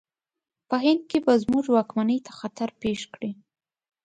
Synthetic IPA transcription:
pəɦɪnd̪̚kebazmuʒwɑkmanəjt̪ʰḁxat̪aɾpeʃkɽi

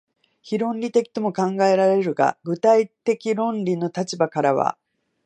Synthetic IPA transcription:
çiɾõ̞nɾʲit̪e̞kʲi̥t̪o̞mo̞kãŋɡae̞ɾaɾe̞ɾɯ̟ɡa̰ɡɯ̟t̪ait̪e̞kʲiɾõ̞nɾʲino̞t̪at͡ɕibakaɾaβ̞a̰

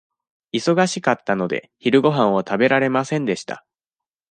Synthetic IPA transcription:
iso̞ɡaɕikat̪ːano̞d̪e̞̰çiɾɯ̟ɡo̞ɦãɰ̃βat̪abe̞ɾaɾe̞masẽ̞nd̪e̞ɕi̥t̪a̰

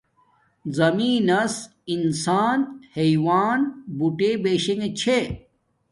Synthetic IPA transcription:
zɐmiːnɐs | insaːnheiwaːnbuʈebeːɕeŋet͡ɕʰe

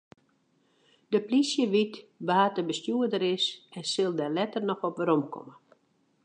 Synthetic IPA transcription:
dəplisjəʋitbəɦatəbəstjuədəɾɪsɛnsɪlˠdɛlɛtərnɔxɔpʋəɾɔmkʰɔ̰mə

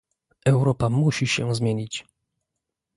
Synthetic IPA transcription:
ʔɛwɾɔpamuɕiɕɛ̰zmʲjeɲit͡ɕ

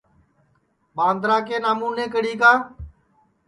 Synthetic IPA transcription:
ɓãːnd̪ɾaːk̬eːnaːmuːneːkəɽiːkãː

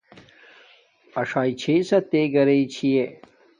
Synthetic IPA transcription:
ɐʂaːit͡ɕʰeisɐt̪eɡɐɾeit͡ɕʰije

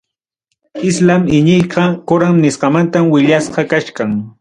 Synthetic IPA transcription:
ɪslamɪɲɪjqɑkʊɾamnɪsqɑmant̪amwɪʎasqɑkaʃkaŋ

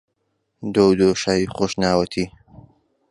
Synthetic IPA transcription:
d̪owd̪oʃaːjixoʃnaːwɐt̪ʰiː

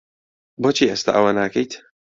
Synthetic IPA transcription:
boːt͡ʃʰiːʔest̪a̰ʔɐwanaːkɐjt̪

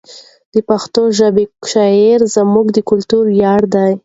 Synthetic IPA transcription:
d̪̥əpaxt̪oʒabeʃɑeɾzamuɡd̪əkʊlt̪uɾjɑɽd̪aj

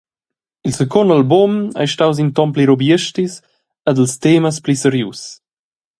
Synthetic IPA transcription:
ilsəkɔndalbuma̰jʃtaws̬int̪ɔnpliɾobjəʃtis | əd̪əlst̪eːməsplisəɾjus

